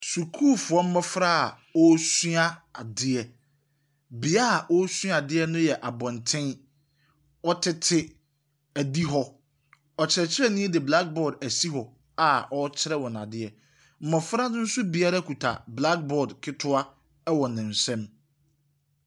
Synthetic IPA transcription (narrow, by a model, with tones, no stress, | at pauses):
su˨kʰu˦˨fʊ˨ɔ˦m̩˦mɔ˦fɾa˦a˨ | ɔ˦sɥa˦a˨dɪ˦ɛ˦ | bɪ˨a˦˨ʔɔ˦sɥa˨dɪ˦ɛ˦nʊ̃˦jɛ˨ʔa˨bɔ̃˨ntʰɪ̃˦n | ɔ˦tʰɪ˦tʰɪ˦ | æ˨di˦ɦɔ˦ | ɔ˨t͡ɕʰɪ˨ɾɛ˨t͡ɕʰɪ˦ɾɛ˦nɪ̃˦ɛ˦dɪ˨bla˦k̚bɔ˦˨dæ˨si˦ɦɔ˨ | a˨ʔɔ˦t͡ɕʰɪ˦ɾɛ˦wɔ̃˨n˨ã̰˨dɪ˦ɛ˨ | m̩˦mɔ˨fɾa˦nʊ̃˦n̩˦sʊ˦bi˨a˦ɾa˦kʰu˨tʰa̰˨bla˦k̚bɔ˨dkʰɪ˦tʰʊ˦a˦ | ɛ˦wɔ˨nɪ̃˨n̩˨sɛ̃˦m